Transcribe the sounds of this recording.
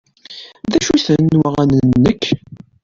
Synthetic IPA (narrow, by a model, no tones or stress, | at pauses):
ðæʃuθənːwəʁænənnːəkː